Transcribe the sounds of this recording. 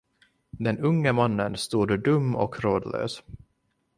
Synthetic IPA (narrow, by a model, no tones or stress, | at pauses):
d̪ɛnɵŋːəmanːənst̪uːd̪d̪ɵmːɔkʰɾoːd̪lø̰ːs